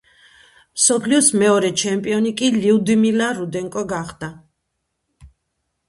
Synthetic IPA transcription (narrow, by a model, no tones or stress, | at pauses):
msɔpʰliɔsmɛɔɾɛt͡ʃʰɛmpʼiɔnikʼiliud̪imilaɾud̪ɛŋkʼɔɡaχd̪a